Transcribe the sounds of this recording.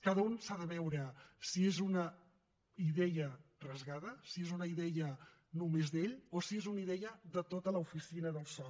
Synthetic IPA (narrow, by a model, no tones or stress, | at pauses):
kaðəunsaðəβɛwɾəsiezunə | iðɛjərəzɣaðəsiezunəiðɛjə | numezðeʎosiezuniðɛəðət̪ot̪ələufisinəðəlˠsɔ